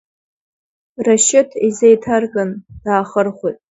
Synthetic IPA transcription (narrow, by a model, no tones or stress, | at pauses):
raʃɪtʰizejtʰarkʼand̥aːχərχʷʊjtʼ